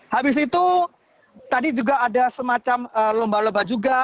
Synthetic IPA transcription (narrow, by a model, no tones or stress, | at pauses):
habɪs̬it̪u | t̪adid͡ʒuɡaːdasəmat͡ʃaməlombalombad͡ʒuɡa